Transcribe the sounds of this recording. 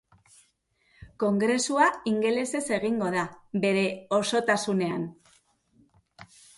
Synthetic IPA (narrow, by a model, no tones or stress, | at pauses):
ko̞ŋɡɾe̞suaiŋɡe̞le̞se̞se̞ɣ̞iŋɡo̞ðabe̞ɾe̞o̞so̞t̪asune̞an